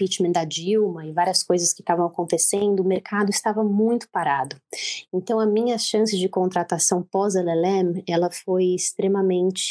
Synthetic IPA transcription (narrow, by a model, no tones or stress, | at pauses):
pit͡ʃmɐ̃d̪ɐd͡ʒiwmɐɪvaɾiɐskojzɐskɪ̥t̪avɐ̃w̃akõnt̪esẽnd̪ʊːmeɾkʰad̪ʊɪst̪avɐmũj̃t̪ʊ̥paɾad̪ʊẽnt̪ɐ̃w̃ɐmĩɲɐʃɐ̃sɪd͡ʒɪkõnt̪ɾat̪asɐ̃w̃pɔzɐlɛlɛ̃mɛlɐfojɪst̪ɾemɐmẽnt͡ʃɪ̥